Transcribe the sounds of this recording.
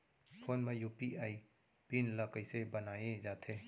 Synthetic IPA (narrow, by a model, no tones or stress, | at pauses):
pʰoːnmẽjuːpiaːi | pinləkəisebənaːjẽd͡ʒaːt̪ʰeː